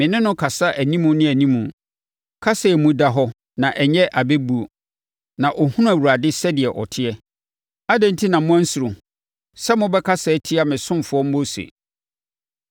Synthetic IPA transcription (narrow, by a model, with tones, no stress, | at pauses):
mɪ̃˨nɪ̃˦nʊ̃˦kʰa˨sa˦ʔæ˨nĩ˦mũ˨nɪ̃˦æ˨nĩ˦mũ˨ | kʰa˦sɛ˨mũ˦da˨ɦɔ˦ | nã˨ʔɛ˨ɲɛ˦ʔa˨be˦bu˦o˨ | nã˨ʔɔ˨hʊ̃˦nʊ̃˦æ˨wu˨ɾa˨dɪ˦sɛ˦dɪ˨ɛ˨ʔɔ˨tʰɪ˦ɛ˦ | a˦dɛ̃˨n̩˦tʰi˦nã˨mʊ̃˦æ˦n˦sʊ˨ɾʊ̃˨ | sɛ˦mʊ̃˦bɛ˦kʰa˦sɛ˨˦tʰɪ˦a˨mɪ̃˨sʊ̃˦mfʊ˨˦ɔ˦m̩˦bo˦sḛ˨